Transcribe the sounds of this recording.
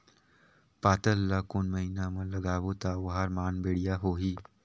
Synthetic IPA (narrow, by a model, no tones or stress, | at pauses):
paːt̪əlːakʊnmɐɦiːnamɐ̃lɐɡaːʋot̪aʊɦaːɾmaːnbeːɽijaɦoːɦiː